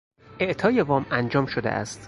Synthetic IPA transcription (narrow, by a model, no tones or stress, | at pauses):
ʔe̞ʔt̪ʰɒːjevɒːmænd͡ʒɒːmʃod̪ḛʔæ̰st̪